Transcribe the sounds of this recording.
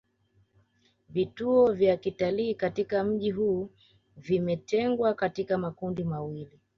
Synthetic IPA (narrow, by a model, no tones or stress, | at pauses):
vituɔvjakitaliːkatikam̩ʄiɦuː | vimɛtɛŋɡwakatikamakundimawili